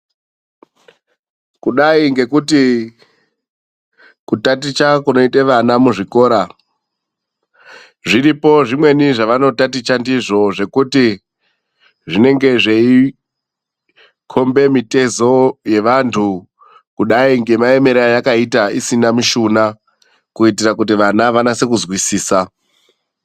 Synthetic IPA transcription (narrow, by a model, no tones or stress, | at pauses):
kuɗaiŋɡe̞kuti | kutat̬it͡ʃakuno̞iteʋanamuʐiko̞ːɾa | ʐiɾipo̞ʐimwe̞niʐaʋano̞tatit͡ʃandiʐo̞ʐe̞kuti | ʐine̞ŋɡe̞ʐei | kʰo̞mbe̞mite̞zo̞je̞ʋantʰu | kuɗaiŋɡe̞mae̞me̞ɾajakaitaisinamuʃuna | kuitiɾak̬ut̬iʋanaʋanase̞k̬uzwisiːsa